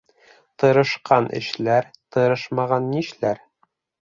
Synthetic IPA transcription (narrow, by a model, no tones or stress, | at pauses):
t̪ɤ̆ɾɤ̆ʃqʰɑnʔɘ̰̆ʃlæɾt̪ɤ̆ɾɤʃmɑʁɑnːiʃlæɾ